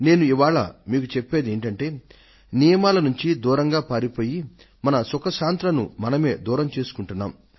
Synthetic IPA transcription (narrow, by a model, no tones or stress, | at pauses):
ne̞ːnuiʋaːɭɐ̰miːkut͡ʃepːe̞ːd̪ieːɳʈɐɳʈe̞ː | nijɐmaːlɐnuɲt͡ʃid̪uːɾɐŋɡaːpaːɾipo̞ːji | mɐnɐsɔkɐʃaːnt̪ɾɐnṵmɐnɐme̞̰ːd̪uːɾɐmt͡ʃe̞ːsu̥kuɳʈunːa̰ːm